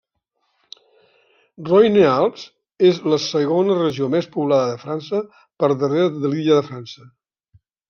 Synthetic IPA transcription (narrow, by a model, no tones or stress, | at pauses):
rɔjnealˠps | ezləsəɣonərəʒiomespuβlaðəðəfɾansə | pəɾðəreɾəðəliəðəfɾansə